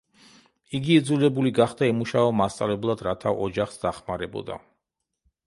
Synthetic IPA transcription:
iɡiːd̪zulɛbuliɡaχd̪aɛmuʃaɔmast̪sʼa̰vlɛblˠad̪ɾat̪ʰaʔɔd͡ʒaχsd̪aχmaɾɛbɔ̰d̪a̰

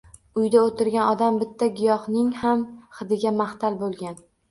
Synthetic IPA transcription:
ʊjd̪aot̪ʰɪɾɡʲanɒd̪ambɪt̪ʰːaɡʲʊjɒhnɪŋhamχɨd̪ɪɡʲamaχt̪ʰalbolˠɡʲan

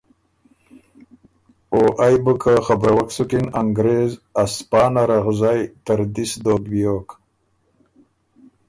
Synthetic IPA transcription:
oʔajbəkʰaxabɾawaksukinaŋɡɾezaspɑːnaɾaɣzɑjt̪aɾd̪isd̪oːkbjok

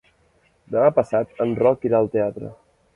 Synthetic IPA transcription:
d̪əmapəsat̪ənrɔkiɾaəlˠt̪eat̪ɾə̰

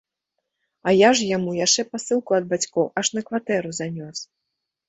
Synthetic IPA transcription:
ɐjaʐjamujaʂt͡ʂɛpasɨlˠkuɐd̪̚bat͡sʲkɔwʔaʂnɐkvat̪ɛɾuzanʲɔs

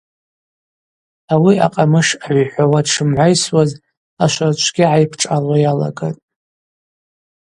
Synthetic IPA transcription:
awia̰qʼamɨʂʕʷiħʷawadʂɨmʕʷajswaz | aʃʷart͡ʃʷʰɡʲiʕajpʰʈ͡ʂʼalwajala̰ɡa̰tʼ

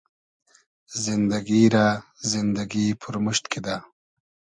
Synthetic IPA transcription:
zind̪aɡiɾazind̪aɡipʰuɾmuʂt̪kʰid̪a

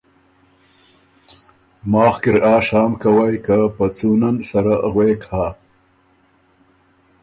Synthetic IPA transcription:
mɑːxkɪɾɑːʂɑːmkawajkapət͡sunansaɾaɣweːkʰaː

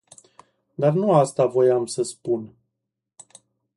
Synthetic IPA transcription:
d̪arnuast̪avo̞jamsəspun

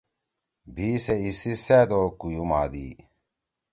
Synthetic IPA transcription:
bʱiːseisised̪oːkujumaːd̪ḭː

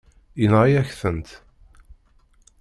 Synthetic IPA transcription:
jənʁijæçθənt̪

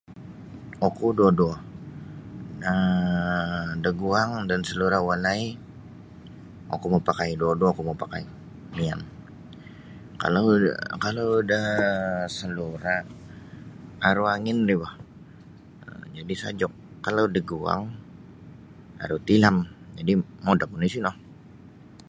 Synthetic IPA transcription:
okuduadua | ə | dəɡuaŋdansəluɾawalai | o̰kumapakajiduaduakumopakai | mia̰n | ka̰lawkalawdahsəluɾa | ɾuaŋɪnɾibah | ə̰d͡ʒadisa̰d͡ʒɔkː | alawdəɡua̰ŋ | a̰ɾut̪ilamd͡ʒadimodapunisinɔh

